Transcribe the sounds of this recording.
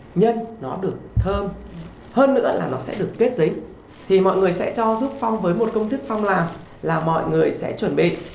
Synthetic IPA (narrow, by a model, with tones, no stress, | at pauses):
ɲə˧nnɔ˨˦ɗɨ˨˩ək̚t̪ʰəː˧m | həː˧nːɨ̰˧˥əlaː˨˩nɔ˨˦sɛ̰˧˥ɗɨ˨˩əkːe˦˥t̚zi˨˦ŋ | t̪ʰi˨˩mɔ̰˧˨jŋɨ˨˩əjsɛ̰˧˥t͡ɕɔ˧zu˦˥p̚fa˧wŋ͡mvəː˨˦jmo˨˩t̚kə˧wŋ͡mt̪ɨ˦˥k̚fa˧wŋ͡mlaː˨˩m | laː˨˩mɔ̰˧˨jŋɨ˨˩əjsɛ̰˧˥t͡ɕwə˧˩nɓḭ˧˨ʔ